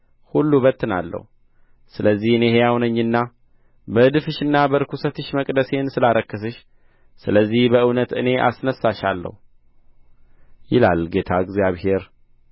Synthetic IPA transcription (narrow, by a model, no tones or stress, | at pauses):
hulːubət̪ːɨna̰lːə̰hu | sɨləzːihɨnehejawnəɲːɨnːa | bəɨd̪ɨfɨʃɨnːabəɾɨkʰusət̪ʰɨʃməkʼd̪əse̞nsɨlaɾəkːəsɨʃ | sɨləzːihbəʔɨwnət̪ɨne̞ʔa̰snəsːaʃalːə̰hu | jɪla̰lɡe̞t̪ʰaɨɡzjaβhe̞ɾ